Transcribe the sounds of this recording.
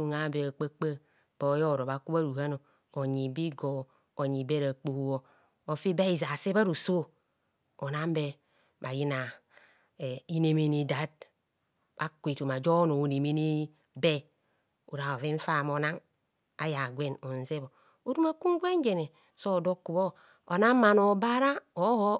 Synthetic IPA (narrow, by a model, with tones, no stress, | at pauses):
u˨ŋa˨˦be˨a˨k͡pa˦k͡pə˦ | b̥o˨˦jo˦˨ɾo˨βa˨ku˦ba˦ɾu˨ha˦no˨ | o˨ɲi˨bi˦ɡo˨ | o˨ɲi˨be˦ɾa˨k͡po˨u˨wo˦ | o˨fi˦ba˦i˨za˨se˦ba˦ɾu˨so˦ | o˨na˦m˦be˦ | ba˨ji˦na˨ | i˦ne˦me˨ni˨da˨˦d̚ | ba˨kʷe˨tu˨ma˨d͡ʒo˦no˨ne˨me˦ni˦ | be˦ | u˨ɾa˨o˨ve˦ɱ̩˦fa˨mo˨na˦ŋ | a̰˦ja˨ɡʷe˦no˨n˨ze˦bo˨ | o˦du˦ma˦ku˦ŋ˦ɡʷe˦ŋ˦d͡ʒe˨ne˨ | so˦˨do˦kːu˨bo˦ | o˨na˦ma˨no˨ba˦ɾa˦o˨˦ho˦